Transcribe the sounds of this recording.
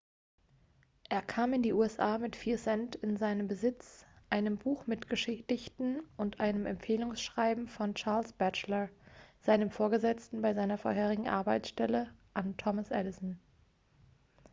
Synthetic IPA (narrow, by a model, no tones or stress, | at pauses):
ʔeːɐkʰaːmɪndiːʔuːɛsʔaːmɪtfiːɐsɛntɪnzaɪnəmbəzɪt͡sʔaɪnəmbuːxmɪtɡ̥əʃɪtɪçtn̩ʊntʔaɪnəmɛ̰mpfeːlʊŋsʃʁ̥aɪbm̩fɔnt͡ʃaɐlsb̥ɛt͡ʃlɐz̥aɪnəmfoːɐɡəzɛt͡stn̩baɪzaɪnɐfo̰ɐɦeːʁɪɡŋ̩ʔa̰ɐbaɪt͡ssʃtɛləʔantʰɔməsʔɛlɪsn̩